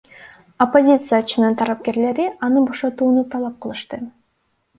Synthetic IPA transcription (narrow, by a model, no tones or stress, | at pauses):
opːo̞zʲit̪sɨjat͡ʃɯnɯnt̪ʰɑɾˠɑp̚ke̞ɾle̞ɾiʔɑnɯbo̞ʃɑt̪uːnut̪ʰɑlˠɑp̚qʰɯlˠɯʃt̪ɯ